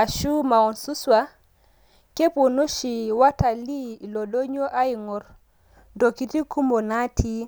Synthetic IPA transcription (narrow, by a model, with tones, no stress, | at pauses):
a˨ʃu˦ma˨wɔnsuswa | ke˦pu˨no˦ʃiwata˨li˦lɔdo˦ɲɔ˦ʔa˦jŋɔɾ | doki˨ti˦ku˦mbɔ˨na˦tʰi